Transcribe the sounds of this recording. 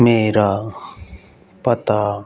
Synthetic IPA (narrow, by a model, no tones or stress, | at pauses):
meːɾaː | pət̪aː